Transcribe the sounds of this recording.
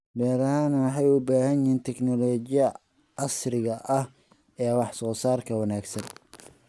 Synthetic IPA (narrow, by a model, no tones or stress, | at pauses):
bɛːɾɐhaːnɐwɑħɑjʊbaːhɐnjiːnt̪ʰɛknɔlɔːt͡ʃɪjɐ | ɑsrɪɣɐʔɐh | ɛːwɑħsɔːsaːrkʰɐwɑnaːɡsɐn